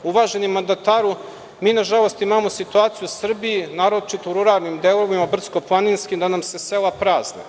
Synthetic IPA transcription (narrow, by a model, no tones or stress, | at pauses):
uʋaːʒenimːand̪at̪aːɾu | miːnaʒalˠo̞st̪imamosit̪uaːt̪sijusr̩bijinaːɾo̞t͡ʃit̪ouɾuɾaɾnimd̪elˠoʋimabr̩t̪sko̞plˠaninskimd̪anamse̞selapɾaːznḛ